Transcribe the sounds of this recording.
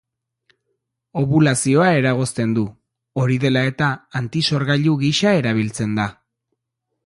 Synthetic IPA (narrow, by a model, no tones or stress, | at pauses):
o̞βulasio̞ae̞ɾaɣ̞o̞st̪e̞nd̪u | o̞ɾiðe̞lae̞t̪aːnt̪iso̞ɾɣaʎuɣiʃae̞ɾaβ̞ilt͡se̞nd̪a